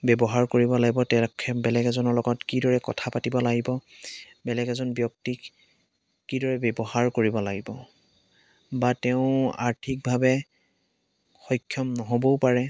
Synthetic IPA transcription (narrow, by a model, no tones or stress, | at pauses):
bɛbɔɦaɹkoɹibɔlaɡibɔtɛkʰɛbɛlɛɡɛzɔnɔɹlɔɡɔtkidɔɹɛkɔ̰tʰapatibɔlaɡibɔ | bɛlɛɡɛzɔnbjɔk̚tikː | idɔɹɛbɛbɔhaɹkoɹibɔlaɡibɔ | batɛʊ̃a̰ɹtʰik̚bʱabɛ | xɔjkʰːjɔmnɔɦobɔʊpaɹɛ